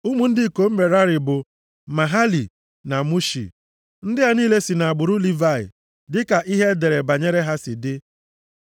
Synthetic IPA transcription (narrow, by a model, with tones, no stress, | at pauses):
u˦mu˦n̩˦dɪ˦˨ko˨m̩˦me˨ɾa˦ɾɪ˨bʊ˨ | ma˨ɦa˦li˨ | na˨mu˦ʃḭ˨ | n̩˦dɪ˦ɦa˦niː˦le˦si˨na˨a˨ɡ͡bʊ˨ɾʊ˦li˦va˦˨ɪ̰˨ | dɪ˦ka˨ʔi˦ɦe˦de˨ɾe˨ba˨ɲe˦ɾe˦ɦa˦sɪ˨dɪ˦